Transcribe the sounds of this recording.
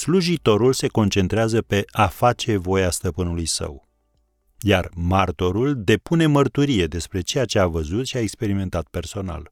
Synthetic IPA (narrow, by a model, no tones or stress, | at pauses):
sluʒit̪o̞ɾulse̞ko̞nt͡ʃe̞nt̪ɾeazəpe̞afat͡ʃe̞vo̞jast̪əpɨnulujsə̰w | jarmart̪o̞ɾuld̪e̞pune̞mərt̪uɾije̞d̪e̞spɾe̞t͡ʃe̞jat͡ʃe̞avəzut̪ʃiaekspe̞ɾime̞nt̪at̪̚pe̞rso̞na̰l